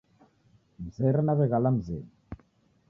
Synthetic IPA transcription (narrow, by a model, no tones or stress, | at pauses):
m̩zɛɾɛnaβɛɣalam̩zɛ̰ːni